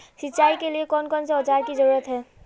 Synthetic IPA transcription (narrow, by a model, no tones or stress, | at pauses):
siːt͡ʃaikeliekɔnkɔnseɔt͡ʃaɾkid͡ʒʌɾuɾət̪ɦɛ